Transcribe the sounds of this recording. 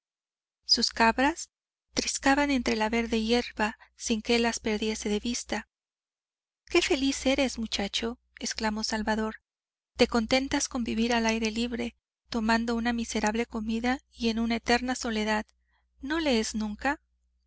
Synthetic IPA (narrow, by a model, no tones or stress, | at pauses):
suskaβɾas | t̪ɾiskaβane̞nt̪ɾe̞laβe̞ɾðe̞je̞ɾβasiŋkeelaspe̞ɾðje̞se̞ðe̞βist̪a | ke̞fe̞lise̞ɾe̞smut͡ʃat͡ʃo̞ | e̞sklamo̞salβaðo̞ɾ | t̪e̞ko̞nt̪e̞nt̪asko̞mbiβiɾalajɾe̞liβɾe̞ | t̪o̞mãnd̪o̞unamise̞ɾaβle̞ko̞miðaie̞nunaet̪e̞ɾnaso̞le̞ðað | no̞le̞eznũŋka